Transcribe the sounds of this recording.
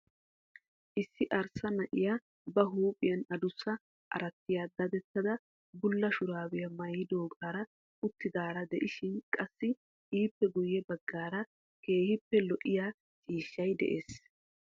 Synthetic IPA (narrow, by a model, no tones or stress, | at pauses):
ʔɪsːɪʔɐɾsɐnɐʔɪja | bɐɦuːpʼɪjɐnɐd̪ʊsːɐ | ʔɐ̰ɾɐt̪ːɪjaːd̪ɐd̪ɛt̪ːɐd̪ɐ | bʊlːɐʃʊɾaːwɪjɐmɐjɪd̪oːkʼaːɾɐ | ʔʊt̪ːɪd̪aːɾɐd̪ɛʔɪʃɪnkʼɐsːɪ | iːpːɛɡʊjːɛbɐɡːaːɾɐ | ke̞ːhɪpːɛlɔʔɪja | t͡ʃʼiːʃːɐjd̪ɛ̰ʔeːs